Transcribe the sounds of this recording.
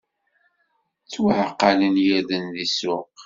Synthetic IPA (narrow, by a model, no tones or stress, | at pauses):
t͡sːwaʕqːɑlənjæðənðisʊq